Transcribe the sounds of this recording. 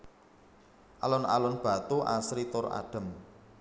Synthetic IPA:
ʔalʊnalʊnb̥a̤t̪uʔasɾit̪ʊra̰ɖ̥ə̤m

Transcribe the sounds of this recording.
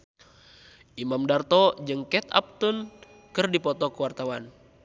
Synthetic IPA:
ʔimamdart̪ɔd͡ʒɨŋkɛt̪a̰p̚t̪un | kɨrdipɔt̪ɔkuwart̪awan

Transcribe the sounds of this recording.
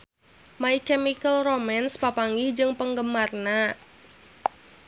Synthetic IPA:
maikɛmikəlromanspapaŋɡɪhd͡ʒɨŋpəŋɡəmarna

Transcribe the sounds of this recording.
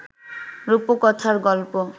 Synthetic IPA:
ɾupokɔt̪ʰaɾɡɔlpo

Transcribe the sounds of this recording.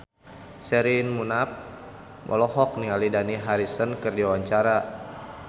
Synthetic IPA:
sɛɾinmunap̚ | mʔɔ̰lɔɦɔk̚niŋalidaniɦaɾisənkɨrdiawaɲt͡ʃaɾa

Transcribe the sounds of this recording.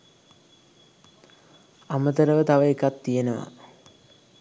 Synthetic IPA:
amət̪əɾəʋət̪aʋəekat̪ːijenəʋa̰

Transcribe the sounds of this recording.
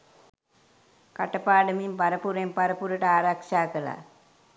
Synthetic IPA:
kɐʈːɐpːaːɽɐmimpɐɾɐpːuɾɐmpɐɾɐpuɾɐʈaːɾaːkʂaːkɐla̰

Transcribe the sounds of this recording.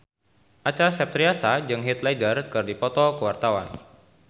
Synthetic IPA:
ʔat͡ʃasɛp̚t̪ɾiasad͡ʒɨŋɦit̪ladərkɨrdipɔt̪ɔkəwart̪awa̰n

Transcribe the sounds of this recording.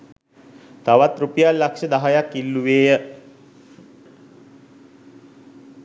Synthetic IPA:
t̪aʋat̪ɾupijalːakʃəd̪aɦajakːilːuʋeːjə

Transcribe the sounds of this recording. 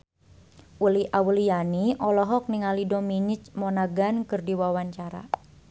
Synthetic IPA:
ʔuliʔawulijaniʔɔlɔɦɔk̚niŋalidominɪt͡ʃmɔnaɡankɨrdiwawaɲt͡ʃaɾa̰

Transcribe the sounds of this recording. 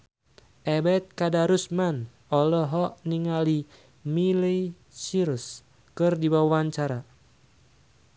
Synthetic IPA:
ʔɛbɛt̪̚kadaɾusman | ʔɔlɔɦɔʔniŋali | mili | siɾus | kɨrdibawwaɲt͡ʃaɾa

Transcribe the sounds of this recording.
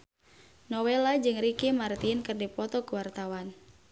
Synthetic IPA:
nɔwelad͡ʒɨŋrikimart̪inkɨrdipɔt̪ɔkuwart̪awan

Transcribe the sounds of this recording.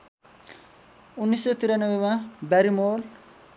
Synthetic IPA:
unːisːɔt̪iɾanəwemãbɛɾimol

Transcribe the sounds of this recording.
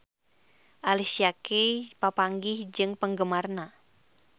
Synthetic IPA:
ʔalisiakepapaŋɡɪhd͡ʒɨŋpəŋɡəmarna

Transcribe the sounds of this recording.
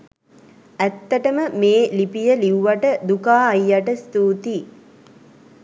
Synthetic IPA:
æt̪ːəʈəməmeːlipijəliuʋaʈəd̪ukaːjːaʈəst̪uːt̪i

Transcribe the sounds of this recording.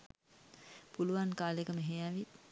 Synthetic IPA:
puluʋaŋkaːlekəmeɦejaʋi

